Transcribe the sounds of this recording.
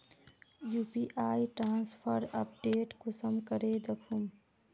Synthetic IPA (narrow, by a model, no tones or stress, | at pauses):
juːpiːʔaːiʈɾaːnspʰəɾɐ̰p̚ɖeːʈkʊsəmkəɾeːd̪əkʰum